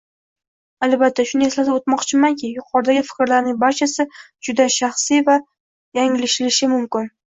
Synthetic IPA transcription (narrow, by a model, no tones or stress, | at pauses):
albat̪ʰːaʃʊne̞slad̪ɪot̪mɒqt͡ʃʰɪmankʲʰɪjʊqʰɒɾd̪aɡʲɪfɪ̥kʲɾlaɾnɪŋbaɾt͡ʃʰasɪ | d͡ʒʊd̪aʃaχsijva | jaŋɪlɪʃɪlɪʃɪmʊmkʲɪn